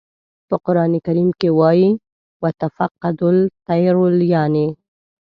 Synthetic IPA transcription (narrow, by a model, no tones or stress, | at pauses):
pəqʊɾɑːnekaɾimkewɑji | wat̪afaqːad̪ʊlt̪ajɾʊljaːni